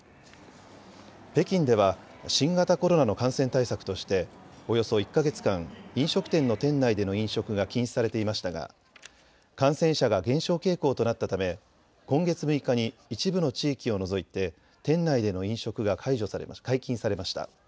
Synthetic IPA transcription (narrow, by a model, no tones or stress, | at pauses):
pe̞kʲĩnd̪e̞βa | ɕĩŋɡat̪ako̞ɾo̞nano̞kãɰ̃sẽ̞nt̪aisakɯ̟̥t̪o̞ɕi̥t̪e̞o̞jo̞so̞ikːaɡe̞t͡sɨ̥kãŋĩɰ̃ɕo̞kɯ̟̥t̪ẽ̞nːo̞t̪ẽ̞nːaid̪e̞no̞ĩɰ̃ɕo̞kɯ̟ɡakʲĩɰ̃ɕi̥saɾe̞t̪e̞imaɕi̥t̪aɡa̰ | kãɰ̃sẽ̞ɰ̃ɕaɡaɡẽ̞ɰ̃ɕo̞ːke̞ːko̞ːt̪o̞nat̪ːat̪ame̞ | kõ̞ŋɡe̞t͡sɨmɯ̟ikaɲ̟iːt͡ɕibɯ̟no̞t͡ɕiːkʲio̞no̞zo̞it̪e̞ | t̪ẽ̞nːaid̪e̞no̞ĩɰ̃ɕo̞kɯ̟ɡakʰaiʑo̞saɾ̰kaikʲĩɰ̃saɾe̞maɕi̥t̪a̰